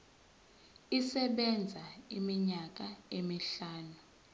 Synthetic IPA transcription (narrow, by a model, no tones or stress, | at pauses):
isɛɓɛnd͡zʱaimiɲak̬aemiɬaːnu